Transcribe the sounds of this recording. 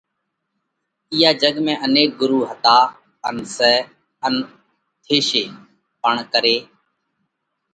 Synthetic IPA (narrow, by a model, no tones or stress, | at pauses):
ɪjaːd͡ʒəɡmẽːʔəneːk̚ɡʊɾuːɦət̪aː | ənsɛː | ən | t̪ʰeːʃeː | pəɳkəɾeː